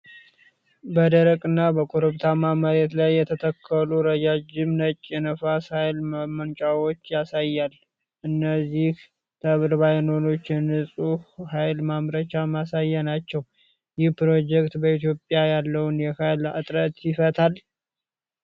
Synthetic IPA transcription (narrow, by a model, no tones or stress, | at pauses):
bəd̪əɾəkʼɨnːabəkʼoɾɨβt̪ʰamaməɾet̪lajːɛt̪ʰət̪ʰəkʰːəluɾəd͡ʒad͡ʒɪmnət͡ʃʼːjɛnəfashajlmənt͡ʃʼawo̞t͡ʃːjasajːal | ʔɨnːəzːih | t̪ʰəβɨɾbajno̞no̞t͡ʃːɛnɨsʼuhhajlmamɾət͡ʃamasajːanat͡ʃːɛw | jɪhpɾo̞d͡ʒɛkt̪bəit̪ʰjo̞pʼjajalːəwnjɛhajlɨt̪ʼɾət̪jɪfət̪ʰal